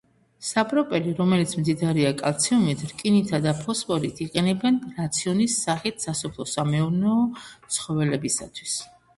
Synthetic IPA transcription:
sapʼɾɔpʼɛliɾɔmɛlit̪sʰmd̪zid̪aɾiakʼalˠt̪sʰiumit̪ʰɾkʼinit̪ʰad̪apʰɔspʼɔɾit̪ʰiqʼɛnɛbɛnɾat̪sʰiɔnisːaχit̪ʰsasɔpʰlˠɔsamɛuɾnɛːt̪sʰχɔvɛlɛbisa̰t̪ʰwis

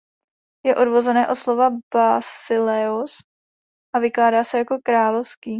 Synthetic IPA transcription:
jɛʔo̞dvozɛnɛːʔo̞t̪slo̞vabasɪlɛos | ʔavɪklaːdaːsɛjako̞kɾaːlofskiː

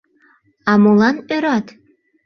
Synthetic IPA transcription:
ɑmulɑnøɾɑt̪

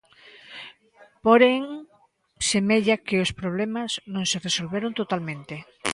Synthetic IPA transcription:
poɾeŋ | semeʎakeospɾoβ̞lemaznõŋseresolβeɾont̪ot̪almẽnt̪e

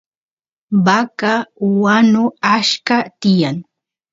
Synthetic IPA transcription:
bakawanʊaʃkat̪ɪjaŋ

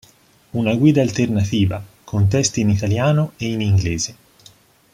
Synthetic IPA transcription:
unaɡwiːd̪aːlt̪ernat̪iːva̰ | kʰont̪̬ɛst̪iːnit̪aljaːnoeiniŋɡleːze

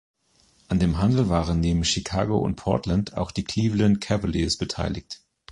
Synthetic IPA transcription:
ʔandeːmɦandl̩vaːʁənːeːbm̩ʃikʰa̰ːɡo̰ʊ̰nt̚pʰɔ̰ɐtlantʰa̰ʊxd̥iːkʰl̥iːvlənkʰɛvəlisb̥ətʰa̰ɪlɪ̰kt

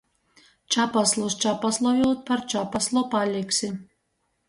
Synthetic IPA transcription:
t͡ʃapaslˠɔst͡ʃapaslˠɔjulˠt̪̚paɾt͡ʃapaslˠɔpalʲiksʲɪ

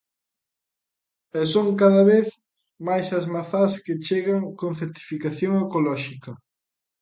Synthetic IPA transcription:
ɛsoŋkaðɐβeθ | majsɐzmaθaskɪt͡ʃeɣaŋkonθeɾt̪i̥fikaθjoŋekolɔʃikɐ

